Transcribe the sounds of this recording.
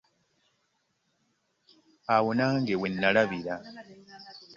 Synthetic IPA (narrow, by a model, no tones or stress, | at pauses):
awonaːŋɡewenːalaβiɾa